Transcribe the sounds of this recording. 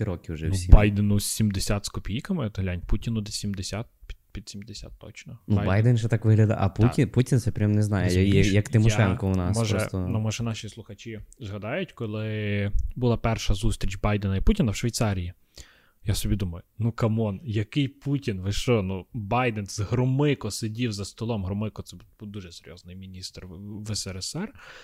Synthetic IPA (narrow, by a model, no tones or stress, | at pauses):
ɾɔkʲɪʊʒɛnsʲibɑjd̪enʊsʲimd̪esʲat̪skɔpʲijkɐmɪd̪ɦlʲanʲputʲinʊd̪ɛsʲimd̪esʲat̪̚pʲpʲid̪̥ʲsʲimd̪esʲa̰t̪ːɔ̰t͡ʃnɔnujbajd̪ɛnʒɛt̪akʋɪɦlʲɐd̪ɐ̰ʔɐ̰puinputʲint̪sɛpʲɾʲamnɛznɑjɛjɐjjɐkt̪ɪmɔʃɛnkɔʊnɑsmɔʒɾɔɛst̪ɔnumɔʒɛnɑʃʲislˠʊxɐt͡ʃʲizɦɐd̪ɑjʊtʲkɔlˠɪbʊlˠɑpɛrʃɐzust̪ɾʲit͡ʃbɑjd̪enɐiputʲinɐwʃʋʲijt̪sɑɾʲiji | jasɔbʲid̪umɐjʊnukɐmɔnjɐkɪjputʲinʋɪʃɔnubɑjd̪ɛnsɦɾɔmɪkɔsedʲiwzɐst̪ɔlˠɔmɦɾɔmɪkɔt̪sɛbubud̪uʒɛseɾʲjɔ̰znɪjmʲinʲist̪rʋɛsɛɛsɛr